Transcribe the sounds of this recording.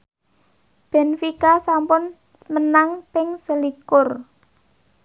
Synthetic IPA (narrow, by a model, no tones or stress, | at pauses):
b̥ɛ̤nfikasampʊn | mənaŋpɪŋsəlikʊr